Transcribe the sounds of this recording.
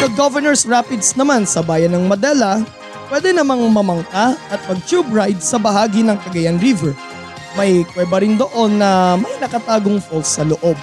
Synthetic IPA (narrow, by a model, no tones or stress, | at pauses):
kɐɡovɛɹnɛɹsɹapɪd̪snɐmansɐbaːjɐnːɐŋmɐd̪ɛːlɐ | pwɛd̪ɛnɐmaŋmɐmɐŋkaʔɐt̪̚pɐɡ̚t͡ʃubɹajd̪̚sɐbɐɦaːɡinɐŋkɐɡɐjanɹivɛɹ | mɐjkwɛːbɐɾɪnd̪oʔo̞nːɐmɐjnɐkɐt̪aːɡoŋfolsːɐloʔob̚